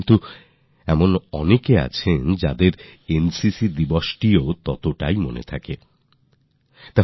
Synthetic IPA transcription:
nt̪u | ɛmonɔnekea̰t͡ɕʰend͡ʑad̪eɾensisid̪ibɔʃʈiot̪ɔt̪oʈajmonḛt̪ʰake | t̪a

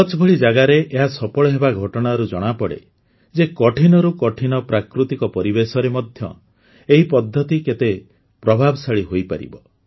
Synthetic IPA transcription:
sɔt͡ʃɔbʱɔɭid͡ʒaɡaɾeʔeɦasɔpɔɭɔɦebaɡʱɔʈɔɽ̃aɾud͡ʒɔɽ̃apɔɽḛ | d͡ʒekɔʈʰinɔɾukɔʈʰinɔpɾakɾut̪ikɔpɔɾibesɔɾemɔd̪ʱjɔ̰ | eɦipɔd̪ʱːɔt̪iket̪e | pɾɔbʱabɔsaɭiɦojpa̰ɾḭbɔ

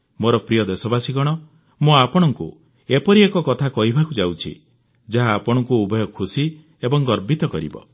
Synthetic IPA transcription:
moɾɔpɾijɔd̪esɔbasiɡɔɽ̃ɔ | muapɔɽ̃ɔŋkṵ | epɔɾiekɔkɔt̪ʰakɔɦibʱakud͡ʒawt͡ʃʰḭ | d͡ʒaɦaːpɔɽ̃ɔŋkuubʱɔjɔkʰusi | ebɔŋɡɔɾbit̪ɔkɔɾḭbɔ̰

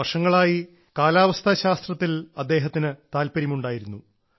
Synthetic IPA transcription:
ɐʂɐŋːɐɭaːji | kaːlaːʋɐst̪ʰɐɕaːst̪rɐt̪ːilɐd̪ːe̞ːɦɐt̪ːinɨt̪aːlpɐɾimuɳɖaːjiɾunːu

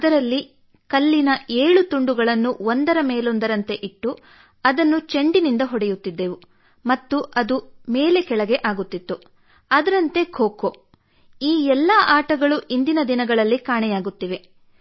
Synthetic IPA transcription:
ɐd̪ɐɾɐlːi | kɐlːinɐe̞ːɭut̪uɳɖuɡɐɭɐnːuond̪ɐɾɐmeːlo̞nd̪ɐɾɐnt̪e̞ʔiʈːu | ɐd̪ɐnːut͡ʃeɳɖinind̪ɐɦɔɽɛjut̪ːid̪ːe̞ːʋu | mɐt̪ːuʔɐd̪umeːle̞kɛɭɐɡe̞ʔaːɡut̪ːit̪ːu | ɐd̪ɐɾɐnt̪e̞kʰoːko | iːɛlːɐʔaːʈɐɡɐɭuʔind̪inɐd̪inɐɡɐɭɐlːikaːɳɛjaːɡut̪ːiʋe̞

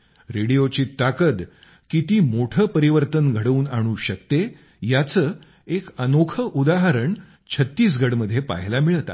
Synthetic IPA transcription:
ɾeɽijot͡ɕiːt̪akət̪ | kit̪iːmoʈʰəːpəɾiʋəɾt̪ənɡʱəɽəuːnaɽ̃uːɕək̚t̪e | jat͡səː | ekənokʰəʔud̪aɦəɾəɳ | t͡ɕʰət̪ːiːs̬ɡʱəɽməd̪ʱːjepa̰ɦlamiɭət̪a̰

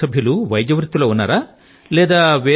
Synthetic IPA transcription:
ɐbʱijɐluʋɐjd̪jɐʋɐɾit̪ːulɐunːɐ̰ɾɐ | leːd̪ɐʋeː

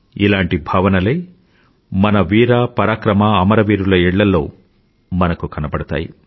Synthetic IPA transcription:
ḭlaːɳʈibʱaːʋɐnɐleː | mɐnɐʋiːɾaːpɐɾaːkɾɐmaːmɐɾɐʋiːɾulɐiɭːɐlːo̞̰ː | mɐnɐkukɐnɐpɐɽɐt̪a̰ːjḭ

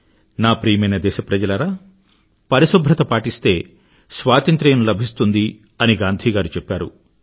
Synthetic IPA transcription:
naːpɾiːjɐmɐjnɐd̪ɛːʃɐpɾɐd͡ʒɐlɐɾaː | pɐɾisubʱɾɐt̪ɐpaːʈist̪e̞ː | sʋaːt̪ɐnt̪ɾɛjɐnlɐbʱist̪und̪i | ɐniɡaːnd̪ʱiːɡaːɾut͡ʃɛpːaːɾṵ

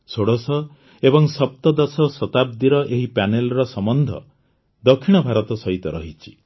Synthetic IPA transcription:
soɽɔsɔ | ebɔŋsɔp̚t̪ɔd̪ɔsɔsɔt̪ab̚d̪iɾɔʔeɦipanelɾɔsɔmɔnd̪ʱɔ̰ | d̪ɔkʰːiɽ̃ɔbʱaɾɔt̪ɔsɔɦit̪ɔɾɔ̰ɦit͡ʃʰi̥

